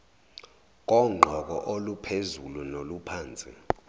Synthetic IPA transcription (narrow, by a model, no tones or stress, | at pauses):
k̬ʼɔŋ͡ǃʱɔk̬ɔ̰ʔolupʰezulunolupʰaːnt͡sʼḭ